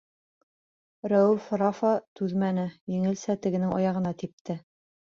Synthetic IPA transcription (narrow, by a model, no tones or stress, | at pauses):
ɾæwʉfɾɑfɑt̪ʉðmænɘjɘ̆ŋɘ̆lsæt̪ɘ̆ɡɘ̆nɘŋʔɑ̰jɑʁɤ̆nɑt̪ip̚t̪ɘ